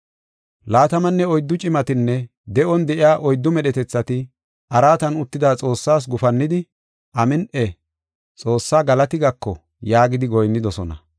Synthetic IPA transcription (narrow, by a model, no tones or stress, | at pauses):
laːt̪ɐmɐnːɛɔjd̪ːʊt͡ʃʼɪmɐt̪ɪnːɛ | d̪ɛʔɔnd̪ɛʔɪjaːʔɔjd̪ːʊmɛɗɛt̪ɛt͡sːɐt̪ɪ | ʔɐɾaːt̪ɐnʊt̪ːɪd̪aːt͡sʼo̞ːsːaːs̬ɡʊfɐnːɪd̪ɪ | ʔɐmɪnʔɛ | t͡sʼo̞ːsːaːɡɐlɐt̪ɪɡɐkːɔ̰ | jaːɡɪd̪ɪɡɔjnːɪd̪ɔsɔnɐ̰